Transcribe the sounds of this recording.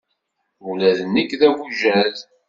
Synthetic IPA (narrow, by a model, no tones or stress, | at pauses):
ulæðənːəkːðæwuʒæl